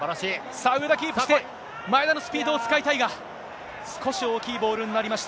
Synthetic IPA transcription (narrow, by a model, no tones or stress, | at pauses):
aɾaɕiː | saɯ̟ɾɯd̪akʲiːpɯɯ̥d̪e | maed̪ano̞sɨ̥pʲiːd̪oːt͡sɨ̥kait̪aiɡa | sɨ̥ko̞ɕio̞ːkʲiːbo̞ːɾɯ̟̃nːinaɾʲimaɕi̥t̪a